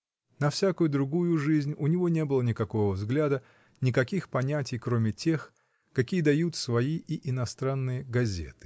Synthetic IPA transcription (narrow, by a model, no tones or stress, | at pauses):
nɐfsʲakʊjʊd̪ɾʊɡujʊʐɨzʲnʲʊnʲɪvo̞nʲe̞bɨlˠənʲɪkɐko̞vəvzɡlʲad̪ə | nʲɪkɐkʲixpɐnʲætʲɪjkɾomʲɪtʲe̞x | kɐkʲijəd̪ɐjut̪svɐiɪʔɪnɐst̪ɾanːɨjəɡɐzʲe̞̰t̪ɨ̥